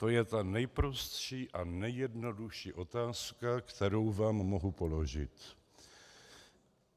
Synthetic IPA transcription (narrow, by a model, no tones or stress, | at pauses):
t̪o̞jɛt̪anɛjpɾost̪ʃiːʔanɛjɛdno̞duʃiːʔo̞t̪aːskakt̪ɛɾo̞wvaːmːoɦupo̞lo̞ʒɪ̰t̪